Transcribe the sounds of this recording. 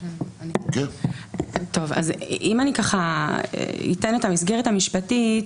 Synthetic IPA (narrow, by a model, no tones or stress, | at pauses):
nike | to̞va̰zimanikaχaḛḭtenetamisɡe̞ʁethamiʃpatit